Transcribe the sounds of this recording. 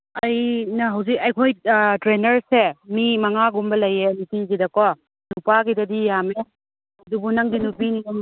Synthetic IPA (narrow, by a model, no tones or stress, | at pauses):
ɐjnɐɦɐwzikɐjkʰojtɾenɐɾsemimɐŋaɡumbɐlɐjenitizidɐkwa | nupaɡidɐdijame | ɐdubunɐŋdinupinium